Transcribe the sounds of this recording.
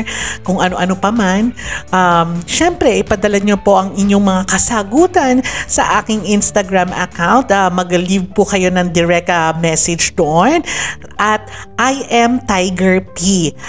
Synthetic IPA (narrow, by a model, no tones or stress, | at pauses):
kʊŋʔɐno̞ʔɐnopɐmanʔamʃɛmpɾɛʔɪpɐd̪ɐlɐɲopo̞ʔɐŋɪɲːo̞ŋmɐŋakɐsaːɡuːt̪ɐnsɐʔaːkɪŋʔɪnst̪ɐɡɹamʔɐ̰kawnt̪amɐɡlivpʊkɐjo̞nɐŋd̪ɪɹɛk̚t̪ɐmɛsɛd͡ʒd̪oʔon | ʔɐt̪ | ʔajʔɛmt̪ajɡɛɹpi